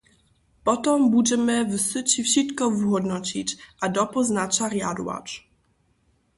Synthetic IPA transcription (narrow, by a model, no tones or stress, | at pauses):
pɔt̪ɔmbud͡ʑɛmɘvɘsɨt͡ɕifɕit̪kɔvɦɔd̪nɔt͡ɕit͡ɕʔad̪ɔpɔznat͡ʂaɾjad̪wa̰t͡ʂ